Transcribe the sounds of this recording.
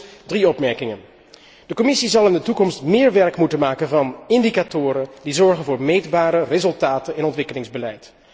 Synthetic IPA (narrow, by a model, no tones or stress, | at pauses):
driɔpmɛɹkɪŋən | d̥əkɔmɪsizɑlˠɪndətukɔmstmɪːɹʋɛɹkmutənmaːkənvɑnɪndikatʊːɾəndizɔɹχənvʊːɹmejdbaːɾərezɵlˠtaːtənɛnɔntʋɪkəlɪŋzbəlɛjt